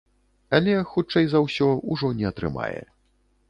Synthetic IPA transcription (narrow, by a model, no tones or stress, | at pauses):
ɐlʲɛxut͡ʂɛjzɐwsʲɔuʐɔnʲɛɐt̪ɾɨ̰ma̰jɛ̰